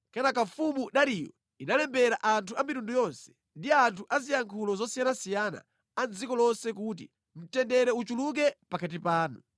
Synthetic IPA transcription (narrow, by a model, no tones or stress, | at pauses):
kɛnakafumuɗaɾijɔ̰ | inalɛmbɛɾaʔantʰuamitundujɔnsɛ̥ | ndiantʰuʔazijaŋkʰulɔzɔsijanasijana̰ | anzikɔlɔnsɛk̬utḭ | m̩tɛndɛɾɛut͡ʃuluk̬ɛpakʰat̬ipaːnu